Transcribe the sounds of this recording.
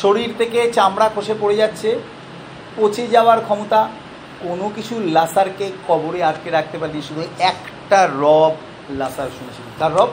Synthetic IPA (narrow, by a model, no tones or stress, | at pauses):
ʃoɾiɾt̪ʰeket͡ɕamɽakʰoʃepoɽed͡ʑatːɕʰe | pot͡ɕʰed͡ʑaoaɾkʰɔmot̪a | konokit͡ɕʰulasaɾkekɔboɾeaʈkeɾak̚ʰt̪epaɾeniʃud̪ʱuɛkʈaɾɔb | lasaɾʃunet͡ɕʰilet̪aɾɾɔb